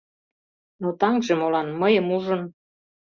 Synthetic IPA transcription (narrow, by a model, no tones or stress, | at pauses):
not̪ɑŋʒemolɑnməjəmuʒə̆n